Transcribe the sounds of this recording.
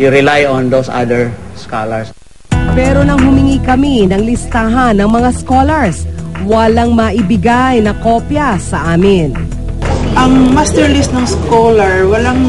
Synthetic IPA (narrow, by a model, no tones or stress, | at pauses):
juɾɪlajɔnd̪osʔa̰d̪ɛɹska̰lɐɹs | pɛːɾo̞nɐŋhʊmɪŋikɐminɐŋlɪst̪aɦɐnːɐŋmɐŋasko̞lɐɹswɐlaŋmɐʔɪbɪɡajnɐko̞ːpjɐsɐʔaːmɪn | ʔɐŋmast̪ɛɹlisnɐŋskolɐɹwɐlaŋ